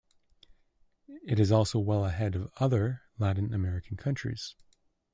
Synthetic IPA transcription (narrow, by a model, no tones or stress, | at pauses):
ɨɾɨzɔlˠsoʊwɛlˠəɦɛɾʌvʌðə˞læʔn̩ɨmɛɹɨkʰn̩kʰʌ̃nt͡ʃɹ̥ḭz̥